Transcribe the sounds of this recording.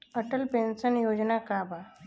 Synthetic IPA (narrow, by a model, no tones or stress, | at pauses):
əʈəlpensənjod͡ʑnakabʱa